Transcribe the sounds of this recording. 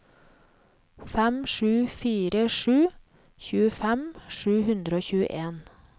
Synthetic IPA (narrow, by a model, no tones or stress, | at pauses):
fæmʃʉːfiːɾəʂʉː | çʉːəfæmʃʉːhʉnd̪ɾoːçʉːə̰ʔeːn